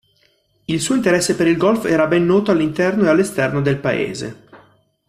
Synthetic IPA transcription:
ilsuːoint̪eɾɛsːepeɾilɡɔlfɛːɾabɛnːɔːt̪oalːint̪ɛrnoealːest̪ɛrnod̪elpaḛːzḛ

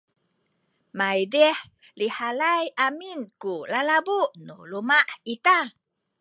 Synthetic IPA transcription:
majdɛh | lihalajʔaminkulalabuʔnulumaʔit̪a

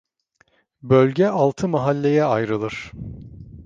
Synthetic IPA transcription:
bølʲɟɛʔalˠt̪ʰɯmaɦalʲːe̞jɛajɾɯlˠɯɾ̥

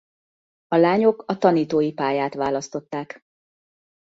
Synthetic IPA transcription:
ɒlaːɲo̞kɒt̪ɒniːt̪oːjipaːjaːt̪ʋaːlɒst̪o̞t̪ːaːk

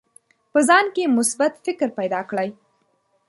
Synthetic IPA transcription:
pəzɑnkemʊsbat̪fɪkɾpajd̪ɑkɽəj

